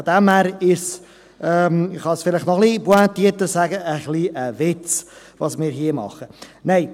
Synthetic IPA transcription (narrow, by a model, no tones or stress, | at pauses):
d̪ɛmæɾɪs | ɛːmχɑsfɪlɪχtnɔχlibwantiːətəsæɡəəχliːʔəvɪt͡s | vɑsmɪːɾɦiːəmɑ̰χəneɪ